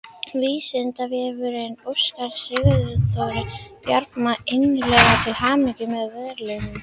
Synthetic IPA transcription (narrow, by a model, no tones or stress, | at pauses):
viːsɪnt̪avjɛvʏɾejnoskaɾ̥sɪɣðʏθowɾɪpjaɾpmaʔɪnlɛɣat̪ʰɪlhaːmɪcɪmɛðvɛðɾlenʏm